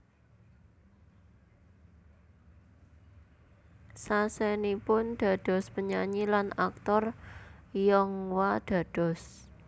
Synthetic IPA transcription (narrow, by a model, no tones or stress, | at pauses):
sasɛnipʊnɖ̪̥ä̤d̪̥ɔ̤spəɲaɲilanak̚t̪ɔr | jɔŋwad̪̥ä̤d̥ɔ̤s